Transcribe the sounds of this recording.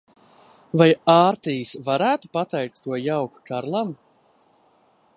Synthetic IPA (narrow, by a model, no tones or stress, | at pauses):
vajaːɾt̪ijisvaɾæːt̪upat̪ɛjk̚t̪ːuɔjawku̥t͡ʃaɾlˠam